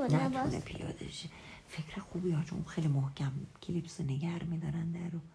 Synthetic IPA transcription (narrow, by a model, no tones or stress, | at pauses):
kunḛpʰijɒ̰d̪ḛʃe | fekʰɾexubiɒt͡ʃʰo̰ʔxejlimohkʲʰæmkʲʰilipsoneɡæɾmid̪ɒɾænd̪æɾu